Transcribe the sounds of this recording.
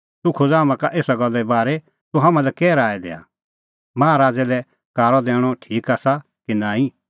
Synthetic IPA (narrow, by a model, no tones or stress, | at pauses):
t̪ʊkʰʊd͡zaːmãkaʔeːsaɡɐlːɛbaːɾɛ | t̪uɦãmãlɛkɛːɾaːɛd̪ḛːa̰ | maːaɾaːd͡zɛlɛ | kaːɾɔd̪ɛːɽ̃ɔʈʰiːkaːsa | kinãːĩ